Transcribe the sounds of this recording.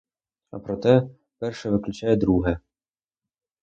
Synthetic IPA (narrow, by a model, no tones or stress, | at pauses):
ɐ̰pɾɔt̪ɛ | pɛrʃɛʋɪklʲʊt͡ʃajɛd̪ɾuɦɛ